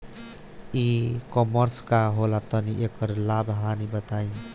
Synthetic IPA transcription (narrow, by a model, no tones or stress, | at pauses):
ikɔməɾskaɦolat̪əniʔekəɾlabɦanibət̪ain